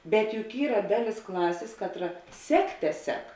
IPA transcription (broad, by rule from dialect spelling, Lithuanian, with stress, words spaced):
bʲɛt jʊk ˈiːrɐ ˈdɑːˌlʲɪs ˈklˠɑːsʲeːs ˈkɑːtˌrɐ ˈsʲæːkˌtʲɛ ˈsʲɛk